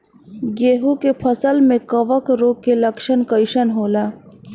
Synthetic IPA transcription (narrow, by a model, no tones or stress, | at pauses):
ɡeːɦukepʰəsəlmẽkɐʋəkɾoːɡkːelɐkʃənkəɪʃənɦoːlaː